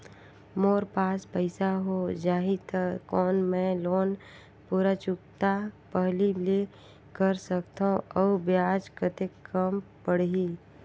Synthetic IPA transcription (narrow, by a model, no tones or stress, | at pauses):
moːɾpaːspəɪsaɦoːd͡ʒaːɦit̪əkɔːnmɛ̃loːn | puːɾat͡ʃʊkt̪apəɦlile | kəɾsəkt̪ãʔɔːbjaːd͡ʒkət̪ekːəm | pəɽ̤ɦiː